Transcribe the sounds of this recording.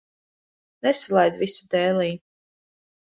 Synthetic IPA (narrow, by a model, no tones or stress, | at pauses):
nɛsalˠajd̪visu̥d̪ɛːlˠiː